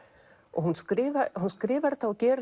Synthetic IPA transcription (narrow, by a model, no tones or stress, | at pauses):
ɔ̰ɣhunskɾɪːvaɾhunskɾɪːvaɾθawcɛːɾ